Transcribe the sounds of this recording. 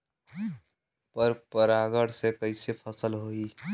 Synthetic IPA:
pəɾpəɾaːɡəɽsekəɪsepʰəsəlɦoːiː

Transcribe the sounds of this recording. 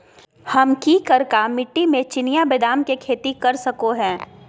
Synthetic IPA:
hɐmkiːkɐɾkamɪʈːimẽt͡ʃɪnijabeːd̪aːmkekʰeːt̪ikɐɾsɐkoɦɛ̃ː

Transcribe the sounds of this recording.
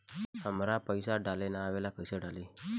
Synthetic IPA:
həmɾapəjsaɖalenaːʋelakəjsəɖali

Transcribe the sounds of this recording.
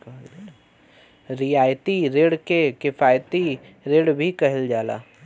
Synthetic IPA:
kɦd͡ʒ | ɾɪjaːjt̪iɾeːɽkekɪfaːjt̪i | ɾeːɽbʱikɐɦɪld͡ʒaːla̰ː

